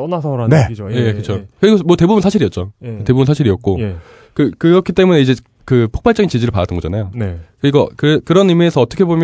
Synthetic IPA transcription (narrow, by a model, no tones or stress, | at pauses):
nasʰʌɾane̞ojejekɯt͡ɕʰokɯɾiɡomwʌte̞bubunsʰaɕʰiɾiʌt̚t͡ɕ͈oete̞bubunsʰaɕʰiɾiʌt̚k͈o | kɯkɯɾʌkʰit͈e̞mune̞id͡ʑe | kɯpʰo̥k̚p͈aɭt͡ɕ͈ʌɡint͡ɕid͡ʑiɾɯɭpadat͈ɯnɡʌd͡ʑanajonekɯɾiɡʌkɯɾekɯɾʌnimiesʰʌʌt͈ʌkʰebomjʌ